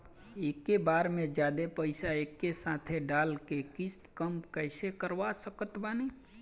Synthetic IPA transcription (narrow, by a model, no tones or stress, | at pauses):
eːkːebaːɾmẽd͡ʒjaːd̪epəɪsaekːesãt̪ʰeɖaːlkekɪst̪kəmpkəɪsekəɾʋasəkət̪bani